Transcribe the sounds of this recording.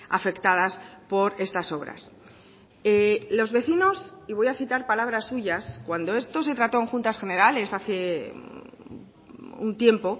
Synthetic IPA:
a̰fe̞kt̪að̞aspo̞ɾe̞st̪aso̞βɾa̰s | elo̞zβe̞θino̞siβ̞o̞jaθit̪aɾpalaβ̞ɾasːuʝaskwand̪o̞e̞st̪o̞s̬e̞t̪ɾat̪o̞eŋxunt̪asxe̞ne̞ɾale̞saθe | ṵnt̪je̞mpo̞

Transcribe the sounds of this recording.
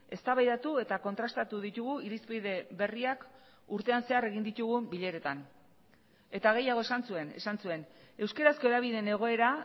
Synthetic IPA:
e̞st̪aβajðat̪ue̞t̪ako̞nt̪ɾast̪at̪uðit̪uɣuiɾispiðe̞βe̞riak | uɾt̪e̞anse̞are̞ɣind̪it̪uɣ̞umbiʎe̞ɾe̞t̪an | e̞t̪aɣ̞e̞jaɣ̞o̞e̞sansue̞nesansue̞ne̞wske̞ɾasko̞eðaβ̞iðene̞ɣ̞o̞e̞ɾa

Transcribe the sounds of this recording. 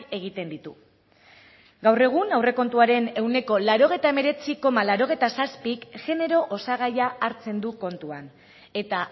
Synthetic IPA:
e̞ɣ̞it̪e̞nd̪it̪u | ɡawre̞ɣ̞unawre̞ko̞nt̪uaɾe̞ne̞wne̞ko̞laɾo̞ɣ̞e̞jt̪aeme̞ɾe̞t͡siko̞malaɾo̞ɣ̞e̞jt̪asaspikʝe̞ne̞ɾo̞ʔosaɣ̞ajaːɾt͡se̞nd̪uko̞nt̪uan | e̞t̪a

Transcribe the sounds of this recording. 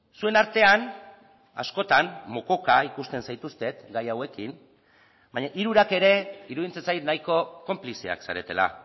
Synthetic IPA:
sue̞naɾt̪e̞an | a̰sko̞t̪anmoko̞kaikust̪e̞nsajt̪ust̪e̞t̪ɡajawe̞kin | baɲaʔiɾuɾake̞ɾe̞iɾuðint͡sensajt̪najko̞ko̞mplisia̰ksaɾe̞t̪e̞̰la̰

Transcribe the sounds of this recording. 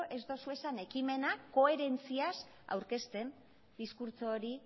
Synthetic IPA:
ʔe̞zd̪o̞sue̞sane̞kime̞nako̞e̞ɾe̞nt͡sias | a̰wɾke̞st̪e̞n | d̪iskuɾt͡soːɾi

